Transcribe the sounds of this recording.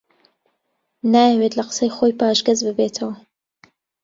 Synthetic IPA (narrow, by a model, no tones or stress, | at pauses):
naːjɐweːt̪lɐqə̥sɐjxojpaːʒɡɐzbɨbeːt̪ʰɐwɐ